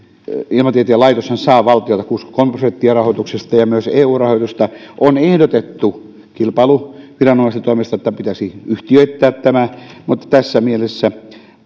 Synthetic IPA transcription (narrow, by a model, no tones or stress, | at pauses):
ilmɑt̪iet̪iælɑit̪oshɑnsɑːʋɑlt̪ijoet̪ɑkuskomeprosent̪ːiɑrɑhoˑit̪uksest̪ɑjɑmyøseːuːrɑhot̪ust̪ɑʔonehdot̪et̪ːu | kilpɑluʋirɑnomɑst̪it̪oˑimest̪ɑet̪ːæpit̪æsiyht̪iøit̪ːæːt̪t̪æmæmut̪ːɑ̥t̪æsːæmielesːæ